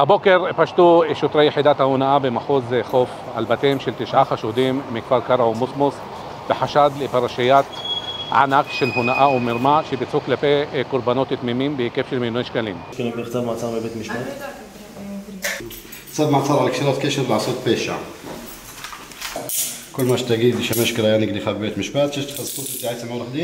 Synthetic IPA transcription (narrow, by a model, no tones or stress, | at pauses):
habokeɾpaʃt̪uʃot̪ɾejːeħid̪aːt̪hahunaʔabemaħuzxof | ʕa̰lbat̪emʃelt̪iʃʕaxaʃud̪imːikfaɾkaɾˤaʕumusmos | b̥eħaʃad̪lepaɾˤaʃajaːt̪ʕa̰nakʃelɦunaʔaumɪɾmaʃebit͡suklapekʊɾˤbanoːt̪ːɪt̪mimiːmbɪkefʃɪlmɪlwenʃkalḭːmkɪlɪɡɪxt̪abmɑsˤɑːɾˤmɪbeːt̪mɪʃbaːt̪ | sabmasɑɾˤʕalakʃiɾˤɑt̪keʃɪɾlʕasot̪peʃa | kʊlːmaʃt̪aɡiːbɪʃamaʃkɪlajaniɡd̪ixabbeːt̪mɪʃbaːt̪ʃaʃt̪xassut̪ɪt̪iʕat̪samawnaxd̪i